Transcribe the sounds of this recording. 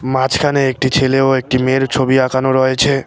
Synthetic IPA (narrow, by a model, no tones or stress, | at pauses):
mãt͡ɕkʰaneek̚ʈit͡ɕʰeleoek̚ʈimeɾt͡ɕʰobiakʰanoɾɔet͡ɕʰe